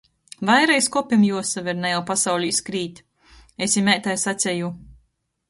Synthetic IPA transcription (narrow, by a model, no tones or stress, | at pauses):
vajɾajskɔpʲimjuɔsavʲɛɾnajawpasawlʲiiskɾiːt̪ʲ | esʲjimʲɛjt̪ajsat̪sʲɛju